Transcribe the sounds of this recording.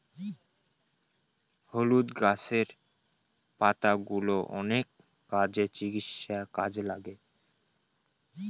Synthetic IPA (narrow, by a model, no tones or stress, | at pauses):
holud̪ɡaseɾ | pat̪aɡuloʔɔ̰nekː | ad͡ʑet͡ɕiɡit̪ʃakad͡ʑlaɡe